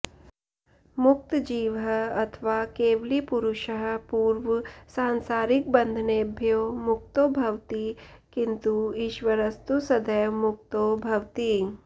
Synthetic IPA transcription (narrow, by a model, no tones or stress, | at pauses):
mʊk̚t̪d͡ʒiːʋəɐt̪ʰʋaːkeːʋlipuɾuʃəɦəpuːɾʋsãːnsaːɾik̚bɐ̃nd̪ʱneːbʱjoːmʊk̚t̪oːbʱɐʋt̪i | kint̪uiʃʋəɾɐst̪usɐd̪əjʋmʊk̚t̪oːbʱɐʋt̪i